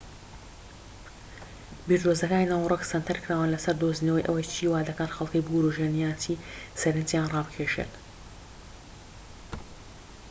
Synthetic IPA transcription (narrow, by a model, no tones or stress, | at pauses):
biːɾd̪oːzɐkaːninaːwroksɐnt̪ʰɐɾkʰɨɾaːwanlɐsɐɾd̪oːzinɐwɐjʔɐ̰wɐjt͡ʃʰiːwaːd̪ɐkaːnxɐlˠkɐjbuɾoʒenijaːt̪ʰisɐɾɨnt̪jaːnrɑːbɨkʰeʃḛt̪